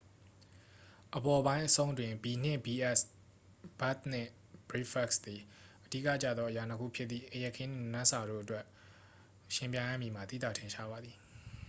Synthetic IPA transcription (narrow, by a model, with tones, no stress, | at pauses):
ʔəbɔ˨bã˦ɪ̃ʔəsõ˦ʊ̃ntwɪ̃˨mbi˨n̥ɪ̰̃˦˨bi˨ʔɛ˦s | b̥a˦t̪̚n̥ɪ̰̃˦˨ | b̥ɹi˦fʰɛ˦ksd̪i˨ | ʔəd̥ḭ˦kä̰˦˨t͡ɕä̰˦˨d̪ðɔ˦ʔə˨ja˨nəkʰṵ˦˨pʰjɪ˦t̪t̪ːðḭ˦˨ʔəjɛ˦ʔkʰːɪ̃˦nɪ̃˦˨nã˦sa˨ɾo̰˦˨ʔətwɛ˦ʔ | ʃɪ̃˨mp̬jã˨ɪ̃jã̰˦˨mji˨ma˨t̪ḭ˦˨t̪a̰˦˨tʰɪ̃˨ʃa˦˨ba˨d̪ði˨